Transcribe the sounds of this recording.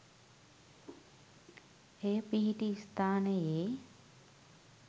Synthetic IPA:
ejəpiɦiʈiːst̪aːnəjeː

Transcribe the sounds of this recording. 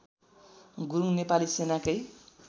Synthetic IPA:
ɡuɾuŋnepalisenakʌj

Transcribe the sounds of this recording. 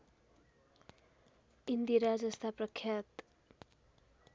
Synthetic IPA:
ind̪iɾad͡zʌst̪ʰaprʌkʰːjat̪

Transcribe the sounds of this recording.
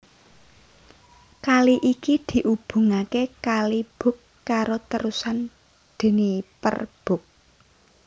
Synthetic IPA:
kaliʔikid̪̥i̤ʔub̥ṳŋakekalib̥ʊ̤kːaɾot̪əɾusan | d̪̥ə̤nipə̰rb̥ʊ̤k̚

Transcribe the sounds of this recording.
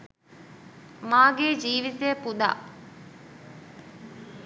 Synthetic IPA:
maːɡeːd͡ʒiːʋit̪ejəpud̪a̰ː

